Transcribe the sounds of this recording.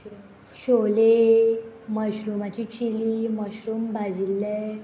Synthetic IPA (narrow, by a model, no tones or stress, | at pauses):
ɕole | məɕɾumat͡ɕit͡ɕiliməɕɾumbad͡ʑilːe